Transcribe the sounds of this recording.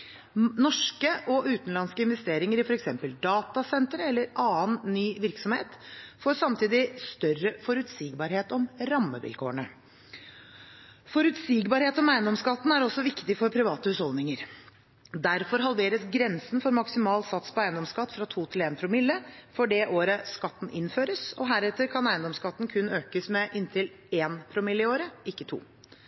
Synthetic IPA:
nɔʂkəʔɔʔʉːt̪n̩lɑnskəɪnʋɛst̪eːɾɪŋəɾɪfɔɾɛksɛmpəld̪ɑːt̪ɑsɛnt̪ɾəɛlːəɾʔɑːənːyːʋɪɾksɔmhḛːt̪foːsɑmt̪ʰiːd̪ɪst̪œrəfɔɾʉt̪siːɡbɑːɾheːt̪ɔmɾɑmːə̰ʋɪ̰lkʰo̰ːəɳə | fɔɾʉt̪siːɡbɑːɾheːt̪ɔmæɪənd̪ɔmskɑt̪ːn̩æɾɔsɔʋɪkt̪ɪfɔɾpʰɾɪʋɑːt̪əhʉːshɔld̪nɪŋəɾ | d̪æɾfɔɾɦɑlʋeːɾəsɡɾɛnsn̩fɔɾmɑksɪmɑːlsɑt̪spɔæɪənd̪ɔmskɑt̪ːfɾɑt̪ʰuːt̪ʰɪleːnpʰɾʊmɪlːəfɔɖɛʔoːɾəskɑt̪ːn̩ʔɪnføːɾəsɔ̰ɦæɾɛt̪ːəɾkʰɑnæɪənd̪ɔmskɑt̪ːn̩kʰʉnːøːkəsmɛʔɪnt̪ʰɪl | eːnpʰɾʊmɪlːɪoːɾəɪkːət̪ʰṵː

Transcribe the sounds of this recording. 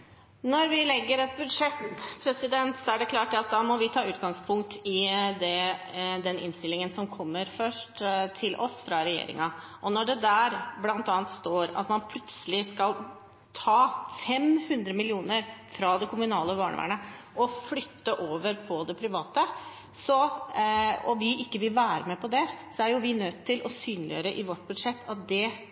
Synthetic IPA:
nɔɾʋɪlɛɡːəɾɛt̪̚bʉd̪ʂɛt̪pʰɾɛsɪd̪ɛnt̪sɔæɖɛkʰlɑːʈɑt̪̚d̪ɑːmɔʋɪt̪ʰɑːʉːt̪ɡɑŋspʰʊŋk̚t̪ʰɪd̪ɛd̪ɛnʔɪ̰nst̪ɪlːɪŋənsɔmkʰɔmːəɾfœʂʈt̪ʰɪlʔɔsfɾɑɾɛjḛːɾɪ̰ŋɑ | ʔɔnɔɖɛd̪æːɾblɑnt̪ɑːɑnt̪st̪oːɾɑ̰t̪mɑnpʰlʉt̪səlɪskɑl | t̪ʰɑːfɛmhʉnd̪ɾəmɪlɪuːnəɾfɾɑd̪ɛkʰʊmʉnɑːləbɑːɳə̰æ̰ːɳəʔɔflʏt̪ːəʔoːʋəɾpʰɔd̪ɛpʰɾɪʋɑːt̪ə | sɔ | ɔʋɪʔɪkːəʋɪlʋæːɾəmɛpʰɔd̪ɛsɔæɾjʊʋɪnøt̪ʰːɪlʔɔsyːnlɪjø̰ːɾəʔɪʋɔʈːbʉd̪ʂɛt̪ːɑt̪̚d̪ɛ

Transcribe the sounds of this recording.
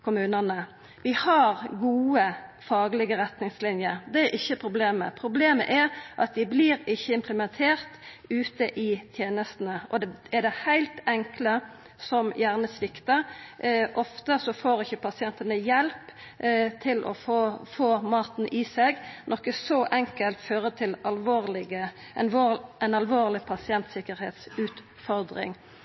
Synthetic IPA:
kʰʊmʉːnənə | ʋɪhɑɾɡuːəfɑːɡəlɪɡəɾɛt̪nɪŋslɪnjəɾd̪ɛæʔɪçːəpʰɾʊbleːmə̰pʰɾʊbleːmə̰ʔɛɾʔɑt̪̚d̪ɪbliɾɪçːəɪmpʰləmɛnt̪ʰeːʁt̪ʉːt̪əʔɪt̪ʰjeːnəst̪n̩əʔɔd̪ɛɛd̪ɛhæɪlt̪ɛŋklə | sɔmjæːʁnəsʋɪkt̪ə | ʔɔft̪əsɔfoːɾɪçːəpʰɑsɪɛnt̪ənəjɛlp | t̪ʰɪlʔɔ̰foːfoːmɑːt̪n̩ʔiseɡnʔɔkːəsɔʔɛŋkəlt̪føːɾət̪ʰɪlɑlʋoːʁlɪɡə | oɛnɑlʋoːʁlɪpʰɑsɪɛnt̪sɪkəɾheːt̪sʉːt̪ | fɔɾd̪ɾɪ̰ŋ

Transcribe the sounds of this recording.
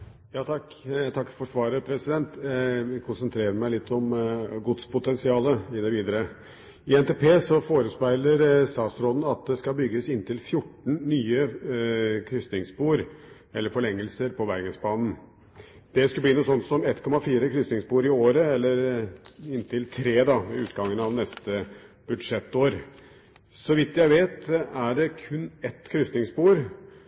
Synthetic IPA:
jɑːt̪ʰɑkː | t̪ʰɑkːfɔʂʋɑːɾəpʰɾɛsɪd̪ɛnt̪kʰʊnsənt̪ʰɾeːɾəmæɪlɪt̪ʰːɔmɡʊd̪spʊt̪ɛnsɪɑːləɪd̪əʋiːd̪əɾə | ɪɛnt̪ʰeːpʰeːsɔfoːɾəspæɪləɾsɑːsɾɔd̪n̩ɑt̪̚d̪ɛskɑbʏɡːəsɪnːt̪ʰɪlfjʊʈːɳ̩nyːə | kʰɾʏst̪nɪŋsbuːɾ | ɛlːəɾfɔɭɛŋːəlsəɾpʰɔʋæɾɡəsbɑːnn̩ | d̪̥ɛskʉbliːnuːsɔnt̪sɔmɛt̪ːkʰɔmɑfiːɾəkʰɾʏst̪ɪŋspuːɾɪoːɾəɛlːəɾɪnt̪ʰɪlt̪ʰɾeːd̪ɑɪʉːt̪ɡɑŋːənɑʋnɛst̪ə | b̥ʉd̪ʂɛt̪ːoːɾ | sɔʋɪt̪ːjæɪʋeːt̪æɖɛkʰʉnːɛt̪kʰɾʏst̪nɪŋspuːɾ

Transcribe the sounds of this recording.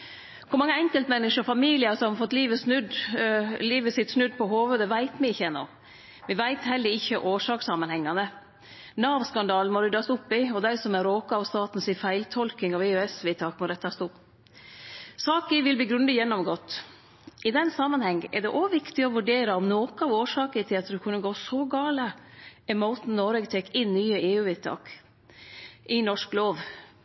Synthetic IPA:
kʰʊɾmɑŋːəɛŋkəlt̪mɛnːəʂəfɑmiːlɪəsɔmhɑfɔt̪ːliːʋəsnʉd̪ | liːʋəsɪt̪snʉd̪pʰɔɦoːʋəd̪əʋæɪt̪mɛɪɪçːəɛnːɔ̰ | ʋɛʋæɪt̪hɛlːəɾɪçːəʔoːʂɑːksɑmənhɛŋːɑnə | nɑːʋskɑnd̪ɑːlnmɔɾɪd̪ɑst̪ʊpːɪɔd̪æɪsɔmæɾoːkɑɑʋst̪ɑːt̪n̩sɪfæɪlt̪ʰɔlkɪŋɑʋɛːøɛsʋɪt̪ʰɑːkmɔɾɛt̪ʰːɑst̪ʊpː | sɑːkəʋɪlbliːɡɾʉnd̪əjɛnːɔmɡɔt̪ː | ʔɪd̪ɛnːsɑmːənhɛŋːʔɛ̰ɖɛʔɔːʋɪkt̪ɪɔʋʉɖeːɾəɔmnoːkɑʋoːʂɑːkəət̪ʰɪlɑt̪d̪ɛkʰʉnːəɡoːsɔɡɑːləɛmaʊt̪n̩nɔɾɛɡt̪ʰɛkɪnːyːəeːʉːʋɛt̪ʰɑ̰ːk | ʔɪnɔʂkloːʋ

